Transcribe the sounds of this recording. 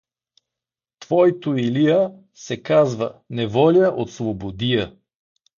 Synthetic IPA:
t̪v̥ɔjt̪oilijə | sɛkazvənɛvɔlʲəʔot̪slˠobod̪ijə

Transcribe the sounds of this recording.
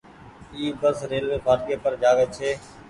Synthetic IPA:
iːbəsɾeːlʋeːbʱaːɾkeːpəɾd͡ʒaːɡeːt͡ʃʰeː

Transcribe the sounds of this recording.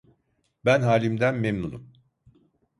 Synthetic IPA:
bænɦaːlʲimd̪ænmemnunum

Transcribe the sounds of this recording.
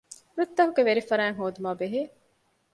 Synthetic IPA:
ɾut̪ːɐɦuɡeʋeɾifɐɾæːŋɦoːd̪umaːbeɦeː

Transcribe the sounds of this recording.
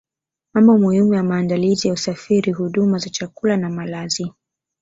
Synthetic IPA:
mamɔmuhimujamaːndalizijausafiɾiɦuɗumazat͡ʃakulanamalazi

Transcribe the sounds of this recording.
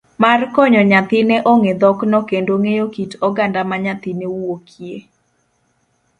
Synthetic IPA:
markɔɲɔɲat̪ɪneʔoŋed̪ɔknɔkendoŋejokitɔɡandamaɲat̪ɪnewokʰje

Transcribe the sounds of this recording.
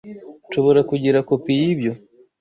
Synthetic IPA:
ʃoβo̞ɾakuɟiɾako̞pijibjo̞

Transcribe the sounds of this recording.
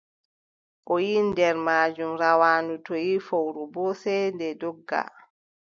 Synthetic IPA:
ʔɔjindɛɾmaːd͡ʒumɾawaːnutojifowɾubɔsɛndɛdɔɡːa̰

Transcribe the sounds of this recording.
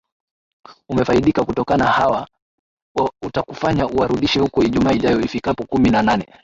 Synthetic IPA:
umɛfaiɗikakutɔkanahawa | utakufaɲauwaɾuɗiʃɛhukɔiʄumaːiʄajɔifikapɔkuminananɛ

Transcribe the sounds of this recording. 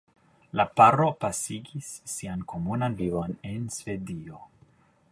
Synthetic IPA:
lapaɾo̞pasiɡisːiankʰo̞munanvivo̞ne̞nsve̞dio̞

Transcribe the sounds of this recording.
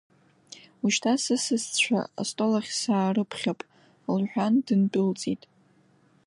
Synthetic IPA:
uʃtʰasɨsɨst͡ɕʷʰa̰a̰stʼo̞laχʲsaːrɨpʰχʲapʼ | lħʷᶣandɨnbʼʊlt͡sʼitʼ

